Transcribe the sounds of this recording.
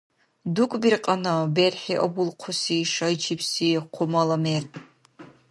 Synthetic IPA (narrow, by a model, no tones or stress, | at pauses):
dukʷʼbirqʼɐnɐberħiʔɐbʊlqʷʰʊsiːʂɐjt͡ʃʰipsiːqʷʰʊmɐlɐmeːrʰ